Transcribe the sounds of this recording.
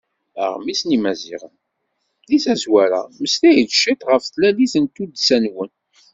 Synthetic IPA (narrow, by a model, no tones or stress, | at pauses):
ə̰ʁmisnimæzḭʁə̰n | liθæzwæɾa̰məst̪æjðʃit̪ʁəfθlæliθənt̪ud̪sænwən